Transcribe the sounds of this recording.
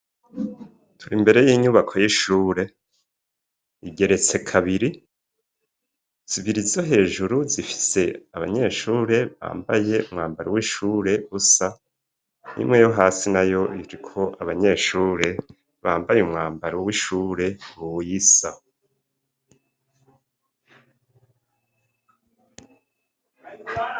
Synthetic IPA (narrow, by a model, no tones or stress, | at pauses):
tʰuɾimbe̞ɾe̞jiːɲuβakʰo̞jiʃuːɾe̞ | iɟe̞ɾe̞t͡se̞kʰaβiɾi | z̥iβiɾizoɦe̞ːʒuɾuzifi̥se̞aβa̰ɲe̞ːʃuːɾe̞βa̰ːmba̰je̞umŋaːmbaɾowiʃuːɾe̞ɡusa | nḭmŋejoɦaːsinajo̞iɾikʰo̞ʔaβaɲe̞ːʃuːɾe̞ | βaːmbajeumŋaːmbaɾowiʃuːɾe̞uwujisa